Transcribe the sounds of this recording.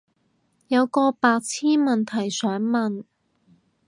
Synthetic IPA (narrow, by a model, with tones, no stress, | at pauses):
jɐ˨˧wkɔː˧paː˧k̚t͡sʰiː˥nmɐ˨nt̪ʰɐ˨˩jsœː˨˥ŋmɐ˨n